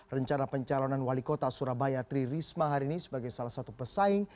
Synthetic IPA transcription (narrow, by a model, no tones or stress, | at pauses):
rəɲt͡ʃanapəɲt͡ʃalonanwalikot̪asuɾabajat̪ɾirismaɦaɾiːnisəbaɡajsalahsat̪upəsaɪŋ